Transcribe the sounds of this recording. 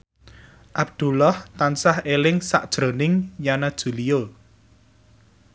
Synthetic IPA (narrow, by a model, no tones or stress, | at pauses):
ʔab̚d̪̥ṳlɔht̪ansahelɪŋsa̰ʔd̥ʒ̥ɾo̤nɪŋjanad̥ʒ̥ṳlio